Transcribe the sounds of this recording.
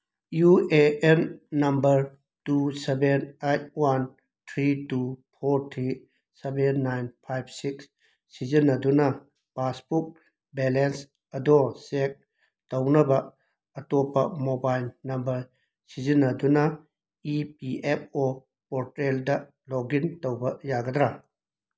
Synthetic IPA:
jueenːɐmbɐɾ | tusebenejt̚wan | tʰɾitupʰoɾtʰɾi | sebenːajnpʰajb̚siks | sizinːɐdunɐ | paspuk̚ | belens | ɐdɔsek̚ | tɐwnɐbɐː | tɔpːɐmobajlnɐmbɐɾ | sizinːɐdunɐ | ipiep̚ʰo | pɔɾteldɐ | lɔɡintowbɐjaɡɐd̪ɾa

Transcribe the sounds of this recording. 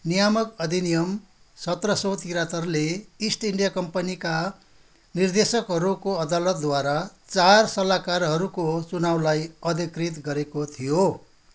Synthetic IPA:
nijamʌkʌd̪ʱinijʌm | sʌt̪rʌsowt̪iɾat̪ʌrleisʈiɳɖijakʌmpʌnika | nird̪esʌkɦʌɾukoʌd̪alʌt̪̚d̪waɾat͡sarsʌlakarɦʌɾukot͡sunawlajʌd̪ʱikrit̪ɡʌɾekot̪ʰijo

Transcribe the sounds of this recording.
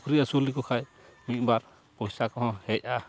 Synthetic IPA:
kɾiasulikɔkʰaj | mit̪̚ˀbaɾ | pɔjsakɔɦɔ̃hɛc̚a

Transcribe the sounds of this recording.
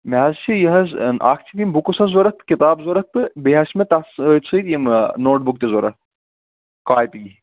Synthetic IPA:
meɦɐzt͡ʃʰijɐɦɐznʔa̰ːkʰt͡ʃʰit̪jimbukusɐzoɾɐt̪ɨkit̪aːbzoɾɐt̪ːɨbeɦɐʃmet̪ɐst͡sʰɨjt̪jimnoːʈ̚buk̚t̪ezoɾɐ | kaːjt̪iɡi

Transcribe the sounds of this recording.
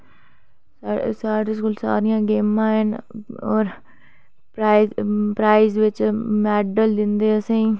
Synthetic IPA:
sasaːɾeskuːlsa̰ːɾɪjãːɡeːmãːɦənɔːɾ | pɾaːɪpɾaːizʋɪt͡ʃmɛːɖəld̪ɪnd̪eːəsẽː

